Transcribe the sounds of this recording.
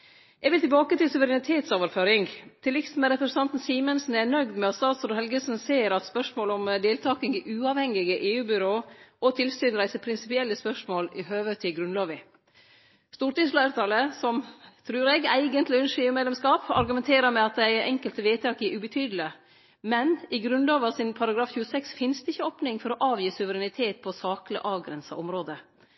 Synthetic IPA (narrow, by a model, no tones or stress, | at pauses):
ʔɛɡʋɪlt̪ʰɪlbɑːkət̪ɪlsʉʋəɾɛnɪt̪ʰeːt̪soːʋəɾføːɾɪŋt̪ʰɪlɪksmɛɾɛpɾɛsən̩ɑnt̪n̩siːmənsn̩ænœɡd̪mɛɑt̪st̪ɑːt̪sɔɾhɛlɡəsn̩seːɾɑt̪spœʂmoːlɔmd̪eːlt̪ʰɑːkɪŋɪʔʉːɑʋhɛŋɪɡəʔeːʉːbʏɾoːɔt̪ʰɪlsyːnɾæɪsəpʰɾɪnsɪpɪɛlːəspœʂmoːlɪhøːʋət̪ʰːɪɡɾʉnlɑːʋɪ | st̪uːʈɪŋslɑːəɾt̪ʰɑːləsɔmt̪ʰɾʉːɾeːɡæɪɡənt̪lɪʉnʂɪʉːmeːlɛmskɑːpɑ̰ɾɡʉmɛnt̪ʰeːɾəɾmɛɑt̪̚d̪æɪʔɛŋkəlt̪əʋeːt̪ʰɑːkɪʔʉbət̪ʰyːd̪l̩ə | mɛnɪɡɾʉnlɑːʋəɑsɪnpʰɑɾɑɡɾɑːfçʉːəsɛksfɪnsd̪ɛɪçːəoːpnɪŋfɔɾɔʔɑːʋjiːsʉʋəɾɛnɪt̪ʰeːt̪̚pʰɔsɑːklə̰ʔɑːʋɡɾɛnsɑ̰ʔɔmɾoːd̪ə